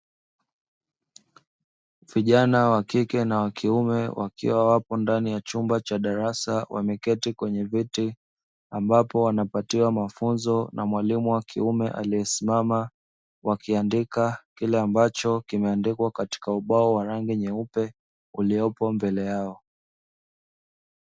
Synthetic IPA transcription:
viʄanawakikɛnawakʰiumɛwʔa̰kḭwawapɔndanijat͡ʃumbat͡ʃaɗaɾasawʔa̰mɛkɛtikwɛɲɛviti | ambapɔwanapatiwamafunzɔnamwalimuwakʰiumɛʔa̰lijɛsimama | wakiandikakilɛambat͡ʃɔkimɛandikwakati̥kauɓaɔwaɾaŋɡiɲɛupɛ | uliɔpɔmbɛlɛjaɔ

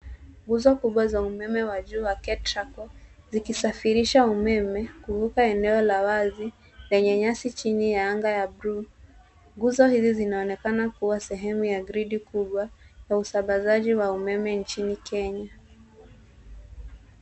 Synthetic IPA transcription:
ɡuzɔkuɓwazaumɛmɛwaʄuːwakɛtɾakɔ | zikisafiɾiʃaumɛmɛkuhukaɛnɛɔlawazi | lɛɲɛɲasit͡ʃinijaaŋɡajabɾu | ŋɡuzɔhizizinaɔnɛkanakuwasɛɦɛmujaɡɾiɗikuɓwajausambazaʄiwaumɛmɛnt͡ʃinikɛɲa

